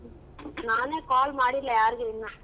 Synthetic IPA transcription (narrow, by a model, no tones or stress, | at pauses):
naːneːkaːlmaːɽilːɐjaːɾɯɣɯɪnːa